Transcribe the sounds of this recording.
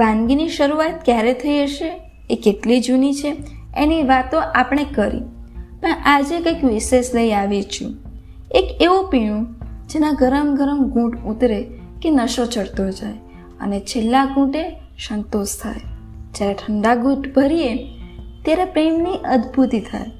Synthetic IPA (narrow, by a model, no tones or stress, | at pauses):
b̥ãŋɡiniʃəɾuat̪̚kjaɾet̪ʰəid͡ʒəʃeː | keʈlid͡ʒunit͡ʃʰeeniʋat̪õʔapəɽ̃ekəɾḭ | pəɳʔad͡ʒekəjkʋisesləiaʋit͡ʃʰṵ̃ | ekeʋupiɽ̃ũd͡ʒenaɡəɾəmɡʱəɾəmɡũʈut̪ɾe | kenəʃot͡ʃəɽt̪od͡ʒaj | ə̰net͡ʃʰelːaɡũʈe | ʃənt̪ost̪ʰa̰j | d͡ʒjaɾeʈʰəɳɖaɡũʈbʱəɾiet̪jaɾepɾemniʔəd̪bʱut̪it̪ʰa̰j